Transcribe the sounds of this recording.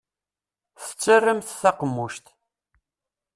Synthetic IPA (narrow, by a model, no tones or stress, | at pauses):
θə̥t͡sːərːəmθθæqəmːuʃt̪